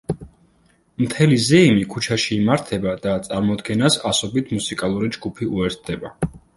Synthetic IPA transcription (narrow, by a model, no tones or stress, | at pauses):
mt̪ʰɛlizɛimikʰut͡ʃʰaʃiːmaɾt̪ʰɛbad̪at̪sʼaɾmɔd̪ɡɛnasasɔbit̪ʰmusikʼalˠuɾid͡ʒɡupʰiuɛɾt̪̚ʰd̪ɛba